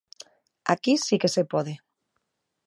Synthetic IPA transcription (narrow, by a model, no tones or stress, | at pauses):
a̰kisikesepoð̞e